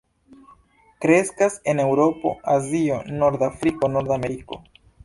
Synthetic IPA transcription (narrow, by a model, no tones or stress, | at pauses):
kɾe̞skase̞ne̞wɾo̞po̞̰azio̞no̞ɾd̪afɾikono̞ɾd̪ame̞ɾiko̞̰